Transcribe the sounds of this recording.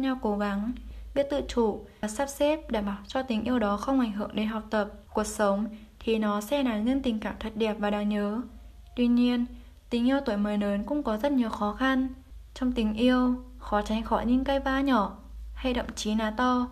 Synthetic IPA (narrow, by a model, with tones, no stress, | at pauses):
ɲa˧wko˨˦ɣa˨˦ŋɓi˦˥ət̚t̪ɨ̰˧˨t͡ɕu˧˩˨saː˦˥p̚se˦˥p̚ɗa̰ː˧˩mɓaː˧˩wt͡ɕɔ˧t̪ï˨˦ʔi˧əwɗɔ˨˦xə˧wŋ͡mʔa˧˩jŋ̟ɦɨ˧˩əŋɗe˨˦nɦa˨˩wk͡p̚t̪ə˨˩p̚ku˨˩ək̚sə˨˦wŋ͡m | t̪ʰi˨˩nɔ˨˦sɛ˧naː˨˩ŋə˧nt̪ï˨˩ŋ̟kaː˧˩mt̪ʰə˨˩t̚ɗɛ˨˩p̚vaː˨˩ɗaː˧˩ŋɲəː˨˦ | t̪wi˧ɲi˧ən | t̪ï˨˦ŋ̟ʔi˧əwt̪o˧˩˨jməː˨˦jnəː˨˦nkʊ̰˧˥ŋ͡mkɔ˨˦zə˦˥t̚ɲi˨˩əwxɔ˨˦xa˧nt͡ɕɔ˧wŋ͡mt̪ï˨˦ŋ̟ʔi˧əw | xɔ˨˦t͡ɕa˨˦jŋ̟xɔ˧˩jɲɨ̰˧˥ŋkə˧jvaː˧ɲɔ˧˩˨ | ha˧jɗə̰˧˨wŋ͡mt͡ɕi˨˦naː˨˦t̪ɔ˧